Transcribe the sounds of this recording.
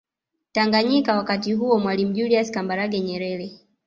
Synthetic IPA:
taŋɡaɲikawakatiɦuɔmwalim̩ʄuliaskambaɾaɡɛɲɛɾɛɾɛ

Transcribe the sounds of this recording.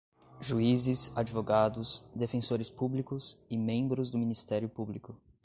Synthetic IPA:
ʒuizɪsad͡ʒivoɡad̪ʊsd̪efẽsoɾɪspublikʊsɪmẽbɾʊzd̪ʊmĩnist̪ɛɾjʊpublikʊ

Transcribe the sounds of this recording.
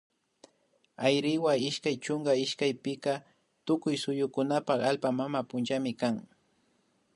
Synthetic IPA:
ajɾɪwaɪʃkajt͡ʃʊŋɡaɪʃkajpɪka | t̪ʊkʊjsʊjʊkʊnapaχalpamamapʊnt͡ʃamɪkaŋ

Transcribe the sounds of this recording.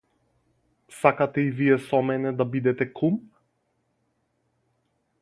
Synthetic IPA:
sakat̪ɛivijɛsɔmɛnɛd̪abid̪ɛt̪ɛkʰum

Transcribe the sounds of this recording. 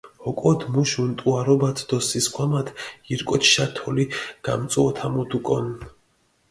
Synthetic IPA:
hɔkʼɔd̪muʃunt̪ʼuaɾɔbat̪ʰd̪ɔsiskʰwamat̪ʰiɾkʼɔt͡ʃʰʃat̪ʰɔliɡ̥amt̪sʼuɔt̪ʰamud̪ukʼɔn

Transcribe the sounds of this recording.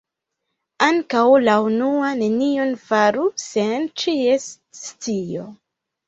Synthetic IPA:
aŋkawlaunuane̞nio̞nfaɾusent͡ʃies | st͡sio̰

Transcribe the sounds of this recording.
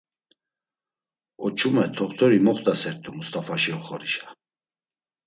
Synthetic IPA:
ɔt͡ʃʰumɛt̪ʰɔχt̪ʰɔɾimɔχt̪ʼasɛɾt̪ʼumust̪ʼafaʃiɔχɔɾiʃḁ

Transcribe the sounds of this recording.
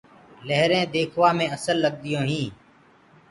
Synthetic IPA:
ləɦɾẽːd̪eːkʰʋaːmẽːəsəlːəɡ̚d̪ɪjõːɦĩː

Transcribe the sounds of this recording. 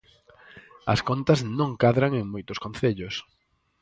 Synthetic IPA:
ɐ̰skont̪ɐznõŋkaðɾaŋeŋmojt̪ʊskõnθeʎʊs

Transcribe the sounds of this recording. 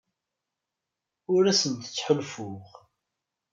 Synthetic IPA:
ʊɾæsənt̪ə̥t͡sːħʊlfʊʁ

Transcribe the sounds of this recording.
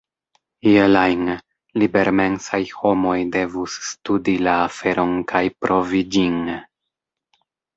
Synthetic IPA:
ielajn | libe̞ɾme̞nsajho̞mo̞jde̞vusːtudilaːfe̞ɾo̞nkʰajpɾʔo̞vid͡ʒin

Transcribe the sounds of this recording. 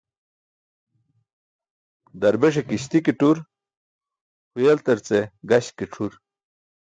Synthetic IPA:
d̪ɐɾbeʂ̬ekiɕt̪ikiʈuɾ | hujelt̪ɐɾt͡seɡɐɕkiʈ͡ʂʰuɾ

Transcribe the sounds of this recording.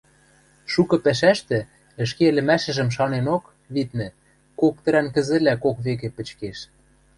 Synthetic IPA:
ʃukɤ̆pæʃ̬æʃt̪ɘ̆ | ə̆ʃkĕlɘ̆mæʃɘ̆ʒə̆mʃ̬ɑnenok | βit̪nɘ̆ | kok̚t̪ə̆ɾænkə̆zɘ̆lækokβek̬ĕpə̆t͡ɕkeʃ

